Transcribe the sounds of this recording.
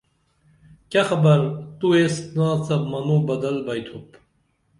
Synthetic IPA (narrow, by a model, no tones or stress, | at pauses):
kaxɐbɐɾt̪uest̪naːt͡sɐbmɐnuːbɐd̪ɐlbɐjt̪ʰup